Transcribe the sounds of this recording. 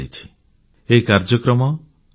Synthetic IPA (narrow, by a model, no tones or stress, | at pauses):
ijt͡ʃʰi̥ | ekaɾd͡ʒɔkɾɔmɔ